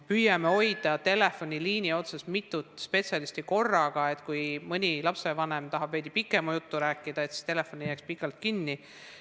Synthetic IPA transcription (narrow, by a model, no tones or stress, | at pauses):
pyjɑmeo̞jd̪̥ɑt̪e̞le̞fo̞nʲiliːnʲio̞t̪sesmit̪ːˑut̪ˑspe̞t̪sʲɑlist̪iko̞rːɑɡ̥ɑe̞t̪kujmɨnʲilɑpse̞vɑne̞mt̪ɑɦɑb̥ve̞jd̪̥ʲipikːˑe̞mɑjut̪ːuɾæːkːˑid̪̥ɑesi̥st̪e̞le̞fo̞nʲijæːkspikːˑɑlt̪̚kinːi